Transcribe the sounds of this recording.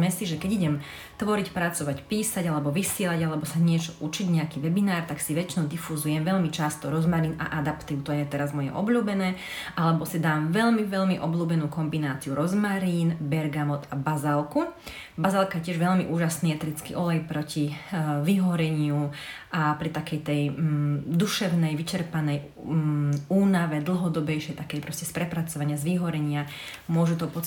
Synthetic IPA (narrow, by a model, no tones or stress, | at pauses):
mɛsiʒɛkɛɟiɟɛm | t̪ʋɔɾicpɾat͡sɔʋacpiːsaɟalɛbɔʋisɪɛlaɟalɛbɔsaɲɪɛt͡ʃɔʔut͡ʃiɟɲɛakiʋɛbinaːɾt̪aksiʋɛt͡ʃinɔʊd̪ifuzujɛmʋɛʎmit͡ʃast̪ɔɾɔzmaɾiːna̰ʔad̪apt̪iʊt̪ɔjɛt̪ɛɾazmɔjɛ̰ʔɔbʎuːbɛnɛː | ʔalɛbɔsid̪aːmʋɛʎmiʋɛʎmiʔɔbluːbɛnuːkɔmbinaːt͡siuɾɔzmaɾiːnbɛɾɡamɔt̪abazalku | bazalˠkajcɪɛʒʋɛʎmiʔuːʒasniːɛt̪ɾit͡skḭʔɔlɛjpɾɔciʋiɦɔɾɛɲɪuʔapɾit̪akɛjt̪ɛj | d̪uʃɛʊnɛjʋit͡ʃɛɾpanɛj | uːnaʋɛd̪l̩ˠɦɔd̪ɔbɛjʃɛjt̪akɛjpɾɔscɛspɾɛpɾat͡sɔʋaɲɪazʋiɦɔɾɛɲɪa | mʊɔʒut̪ɔpɔ